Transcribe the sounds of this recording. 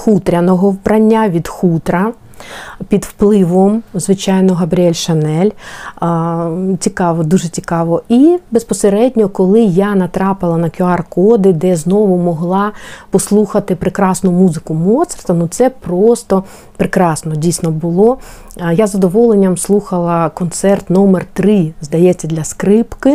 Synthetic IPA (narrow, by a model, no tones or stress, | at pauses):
xut̪ɾʲɐnɔɦɔwbɾʔɐnʲːaʋʲid̪xut̪ɾɐ | pʲid̪wplˠɪʋɔmzʋɪt͡ʃɑjnɔɦɐbɾʲiɛlʲʃɐnɛlʲ | t͡sʲikɑʋɔd̪uʒɛt͡sʲikɑʋɔibespɔseɾɛdʲnʲɔkɔlˠɪjanɐt̪ɾɑpɪlˠɐnɐkʲʊɑrkɔd̪ɪd̪ɛznɔʋʊmɔɦlˠɑpɔslˠuxɐt̪ɪpɾɪkɾɑsnʊmuzɪkʊmɔt̪sɛ̥rt̪ɐnut̪sɛpɾɔst̪ɔ | pɾɪkɾɑsnɔdʲijsʲnɔbʊlˠɔ | jazɐd̪ɔʋɔlˠenʲːɐmslˠuxɐlˠɐkɔnt̪sɛrt̪nɔmert̪ɾɪzd̪ɐjɛt͡sʲːɐd̪lʲɐskɾɪpkɪ